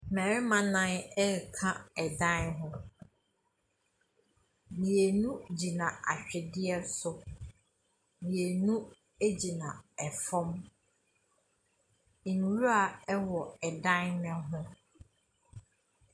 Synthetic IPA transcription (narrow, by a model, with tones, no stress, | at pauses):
mɛ˨ɾɪ˦mã˦nã˦nɛ˦˨kʰã˦ɛ˨dã˦nɦʊ̃˦ | nĩ˨e˨nũ˦d͡ʑi˨nã˨a˨ɕᶣɛ˨dɪ˦ɛ˦sʊ˨ | nĩ˨e˨nũ˦ | e˦d͡ʑi˨nã˨ɛ˨fɔ̃˦m | i˨ñ˨wu˦a˨ɛ˦wɔ˨ɛ˨dã˦nnɛ̃˦ɦʊ̃˦